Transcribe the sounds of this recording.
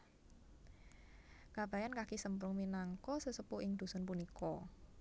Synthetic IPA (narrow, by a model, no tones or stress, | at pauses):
kab̥a̤jankakisəmpɾʊŋminaŋkɔsəsupʊʔɪŋd̪̥ṳsɔnpunikɔ